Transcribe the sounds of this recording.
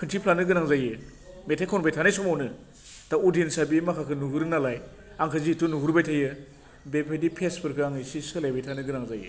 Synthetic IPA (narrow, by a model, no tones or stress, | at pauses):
kʰɯntʰipʰlanɯɡɯnaŋzajɯ | metʰajkʰɔnbejtʰanɯjsɔmawnɯ | taudinsabimakʰakʰɯnuɦɯɾɯnalaj | aŋkʰɯzitunuɦuɾbajtʰajɯ | bepʰedipʰespʰɯɾkʰɯaŋisisɯlajbejtʰanɯɡɯnaŋzajɯ̰